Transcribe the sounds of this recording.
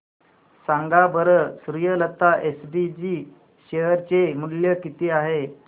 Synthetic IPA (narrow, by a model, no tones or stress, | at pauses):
saŋɡabʱəɾəsuɾujələt̪ːaʔesɖid͡ʑiː | ɕeɦəɾt͡ɕemuljəkit̪iːaɦe